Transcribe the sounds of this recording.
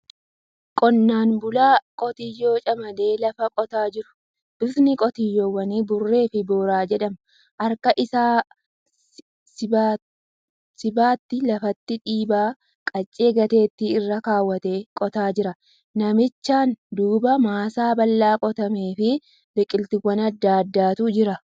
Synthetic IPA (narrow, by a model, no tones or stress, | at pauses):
kʼɔnːaːnbʊlaːkʼɔt̪ɪjːo̞ːt͡ʃʼɐmɐd̪e̞ːlɐfɐkʼɔt̪aːd͡ʒɪɾʊ̥ | ʔɪsnɪkʼɔt̪ɪjːoːwːɐniːbʊrːe̞ːfɪboːɾaːd͡ʒɛᶑɐm | ʔɐɾkɐʔɪsaː | sɪbaːt̪ːɪlɐfɐt̪ːɪᶑiːbaː | kʼɐt͡ʃʼːeːɡɐt̪e̞ːt̪ːiɪrːɐkaːwːɐt̪eːkʼɔt̪aːd͡ʒɪɾɐ | nɐmɪt͡ʃːaːnd̪uːbɐmaːsaːbɐlːaːkʼɔt̪ɐmeːfɪ | d̪ɛkʼːɪlt̪ɪwːɐnɐd̪ːaːd̪ːaːt̪ʊd͡ʒɪɾɐ